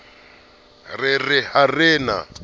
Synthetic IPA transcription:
rɪrɪharɪːna̰

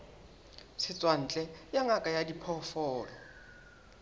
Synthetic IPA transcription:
sʰɪt͡sʼwan̩ːt͡ɬʼɛjaŋakʼajadipʰɔfɔːlɔ

